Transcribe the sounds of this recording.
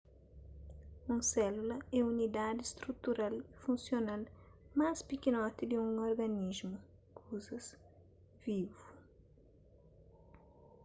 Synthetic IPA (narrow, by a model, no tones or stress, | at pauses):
ũsɛlulɐɛunid̪ad̪ɪst̪ɾut̪uɾalifũnsjonalmaspikinɔt̪id̪iũŋoɾɡɐnizmu | kʰuzɐs | vivu